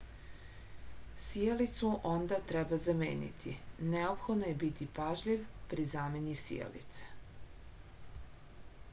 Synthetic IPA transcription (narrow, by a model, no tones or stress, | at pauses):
sielit̪suʔond̪at̪ɾebazamḛːnḭt̪ʰḭneopxod̪nojebit̪ipaʒʎiʋpɾizaːme̞nisḭjḛlḭt̪se̥